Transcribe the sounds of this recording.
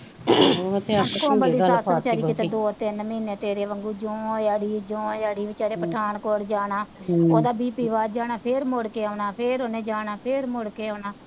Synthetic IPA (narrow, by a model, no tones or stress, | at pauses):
əkõːbəɽiːsaːst͡ʃaːɾiːkːɪt̪ed̪oːt̪ɪnmiːneːt̪eːɾeːʋəŋɡuːd͡ʒõːjaːɽiːd͡ʒõːjaːɽiːbɪt͡ʃaːɾeːpəʈʰaːɳkoːɾd͡ʒaːnaːoːd̪aːbiːpiːʋaːd͡ʒaːnaːpʰɪɾmoɽkeːaːnaːpʰɪɾoːnẽːd͡ʒaːnaːpʰɪɾmoɽkeːoːnaː